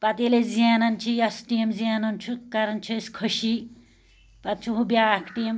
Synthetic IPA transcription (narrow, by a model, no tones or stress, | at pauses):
pat̪elezianɐnt͡ʃʰijɐsʈimzianunt͡ʃʰukaɾɐnt͡ʃʰueskʰʌʃi | pat̪̚t͡ʃʰuɦubjaakʰʈim